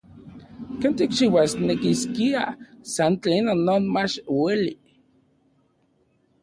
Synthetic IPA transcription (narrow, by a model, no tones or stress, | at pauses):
kent̪ikt͡ʃiwasnekiskia̰sant͡ɬeːnonːoːnmat͡ʃweli